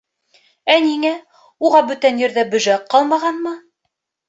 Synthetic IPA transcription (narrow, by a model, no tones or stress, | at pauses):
æniŋæ | uʁɑbɵ̆t̪ænjɘ̆ɾðæbɵ̆ʒæqːɑlˠmɑʁɑnmɤ